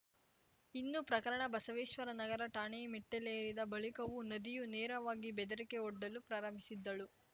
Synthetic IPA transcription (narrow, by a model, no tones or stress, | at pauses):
inːupɾɐkɐɾɐɳɐbɐsɐʋeːʃʋɐɾɐnɐɡɐɾɐʈaːɳeːmiʈːelejɐɾid̪ɐbɐɭikɐʋunɐd̪ijunɛːɾɐʋaːɡibɛd̪ɐɾikeɔɖːɐlupɾaːɾɐmbʱisid̪ːɐɭu